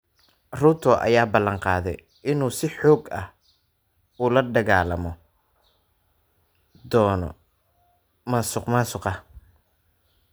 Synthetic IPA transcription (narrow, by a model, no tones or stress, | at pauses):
rut̪ʰɔʔɐ̰jaːbɐlːɐɴqɑːðɛ̰j | ʔɪnuːsɪħɔːɡɐh | uːlɐɖɐɣaːlɐmɔ | d̪ɔːnɔ̰ | masʊqmasʊqɐ